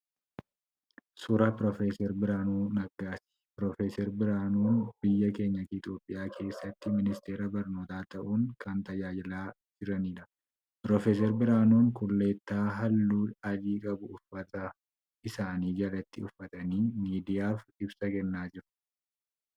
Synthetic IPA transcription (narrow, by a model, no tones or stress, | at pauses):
sʊɾɐpɾɔfeːsɛɾbɪɾaːnuːnɐɡaːsɪ̥pɾɔfeːsɛɾbɪɾaːnuːnbɪjːɐke̞ːɲːɐt̪ɪɪt̪ʼjo̞ːpʼːɪjaːkʰe̞ːsːɐt̪ːɪmɪnɪst̪eːɾɐbɐɾno̞ːt̪aːt̪ɐʔuːŋkɐnt̪ɐjaːjɐlaː | d͡ʒɪɾɐniːᶑɐ | pɾɔfeːs̬ɛɾbɪɾaːnuːŋkʊlːe̞ːt̪ːaːɦɐlːuːɐd͡ʒiːkʼɐbʊʊfːɐt̪ɐ | ɪsaːniːɡɐlɐt̪ːɪʊfːɐt̪ʼɐniːmiːd̪ɪjaːfɪbsɐkɛnːaːd͡ʒɪɾʊ̥